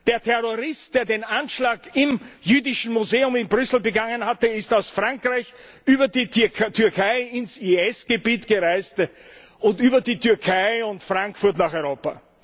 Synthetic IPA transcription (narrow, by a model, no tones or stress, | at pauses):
d̥eːɐtʰɛʁoʁɪst̚d̥eːɐdeːnanʃlaːɡɪmjyːdɪʃn̩muzeːʊmɪnbʁʏsl̩bəɡaŋənhatəɪstaʊsfʁaŋkʁ̥aɪç | ʔyːbɐditʰʏɐkʰaɪɪnsiːɛsɡ̥əbiːtɡ̥əʁaɪst | ʊntyːbɐdiːtʰyɐkʰaɪʊntfʁ̥aŋkfʊɐtnaχɔʏʁoːpa̰